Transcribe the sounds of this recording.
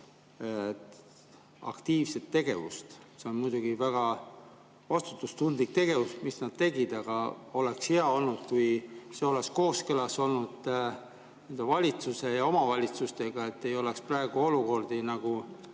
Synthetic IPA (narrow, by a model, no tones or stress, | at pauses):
ɑ̰kt̪iːvse̞t̪ːe̞ɡ̥e̞vṵst̪ | seo̞nmujd̪̥uɡ̥ivæɡ̥ɑ | vɑst̪u̥t̪ːˑust̪und̪lik̚t̪e̞ɡ̥e̞vusmisnɑd̪̥̚t̪e̞ɡ̥id̪̥ɑɡ̥ɑo̞lekshe̞ɑo̞lnud̪̥kujse̞o̞leksko̞ːskɤlɑso̞lnud̪̥ | ne̞nd̪̥evɑlʲit̪suse̞jɑo̞mɑvɑlʲit̪sust̪e̞ɡ̥ɑe̞t̪ːe̞jo̞leksprɑe̞ɡ̥uo̞luko̞rd̪̥inɑɡ̥u